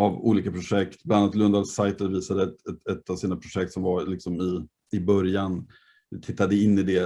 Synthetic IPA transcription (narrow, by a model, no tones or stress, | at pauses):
avṵːliːkapʰɾʊʂɛkt̪blannːat̪lɵnd̪adsajt̪ət̪viːsad̪əɛɛt̪ːavsiːnapʰɾʊʂɛkt̪sɔmvaɾlɪksɔmɪ | ɪbœɾjan | t̪ʰɪt̪ːad̪əɪnːɪd̪ɛ